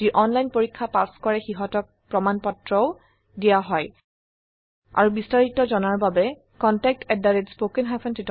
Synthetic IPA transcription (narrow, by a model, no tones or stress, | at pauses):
iʔɔnlajnpoɹikʰːapaskɔɹɛxiɦɔtɔk̚pɹɔmanpɔtɹɔʊ | dijaɦɔj | a̰ɹubistaɹitɔzɔnaɹbabɛ | kɔntak̚tʰɛdaɹetspokɛŋɦapʰɔntit